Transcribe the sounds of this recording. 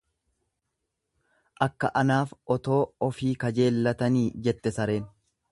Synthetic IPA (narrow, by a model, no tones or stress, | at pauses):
ʔɐkːɐʔɐnaːfʔɔt̪o̞ːɔfiːkɐd͡ʒe̞ːlːɐt̪ɐniːd͡ʒɛt̪ːɛsɐɾe̞ːn